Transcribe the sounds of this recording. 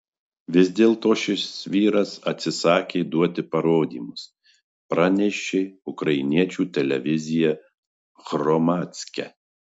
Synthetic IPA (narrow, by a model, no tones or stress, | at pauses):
ʋʲɪzʲd̪ʲeːlˠt̪oːʃʲɪsʋʲiːɾɐsɐt̪ʲsʲɪsɑːkʲeːd̪uɔt̪ʲɪpɐɾoːd̪ʲḭːmʊs | pɾɑːnʲɛʃʲeːʊkɾɐɪnʲiɛt͡ʃʲuːt̪ʲɛlʲɛʋʲɪzʲɪjɛ | ɣɾɔmɑːt̪ʲsʲkʲɛ̰